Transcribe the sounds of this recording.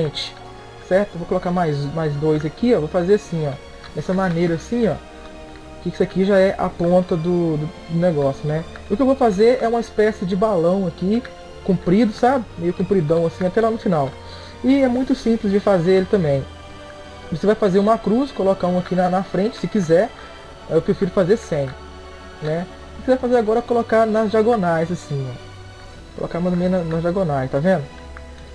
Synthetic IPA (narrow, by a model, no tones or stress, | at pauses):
ẽt͡ʃɪ̥ | sɛɾt̪ʊewvokolokamajzmajzd̪ojzɐkiɔvofazeɾasĩɔ | d̪ɛsɐmanejɾɐːsĩɔ̰ | kɪksakiʒaɛʔa̰põnt̪ɐd̪ʊd̪ʊd̪ʊnɛɡɔsjʊnɛ | ʊkɪewvofazeɾɛũmɐispɛsɪd͡ʒɪbalɐ̃w̃ɐki | kũpɾid̪ʊsabɪmejʊkũpɾid̪ɐ̃w̃ɐsĩat̪ɛlanʊfinaw | ɪɛmũj̃t̪ʊsĩplɪzd͡ʒɪfazeɾelɪt̪ɐ̃mbẽj̃ | vosevajfazeɾũmɐkɾuskolokaũakinɐnɐfɾẽnt͡ʃɪ̥sɪkizɛɾ | ewpɾefiɾʊfazeɾsẽj̃ | nɛ | ɪkizɛjfazeɾaɡɔɾɐkolokaɾnɐzd͡ʒiaɡonajzasĩɔ | ko̰lʔo̰kaũmɐ̃t̪ɐ̃mẽjnɐnɐzd͡ʒiaɡonajst̪avẽnd̪ʊ